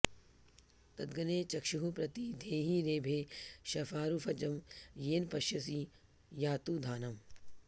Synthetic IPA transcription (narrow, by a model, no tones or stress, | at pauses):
t̪ɐd̪ɡɐneːt͡ʃɐkʃiɦupɾɐt̪id̪ʱeːɦiɾeːbʱeːʃɐfaːɾufʰɐd͡ʒɐmjeːnpɐʃjɐsi | jaːt̪uːd̪ʱaːnɐm